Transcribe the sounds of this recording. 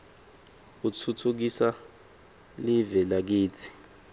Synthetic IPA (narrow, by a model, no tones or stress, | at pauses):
utʰutʰuk̬isa | livɛlak̬iːtʰi̥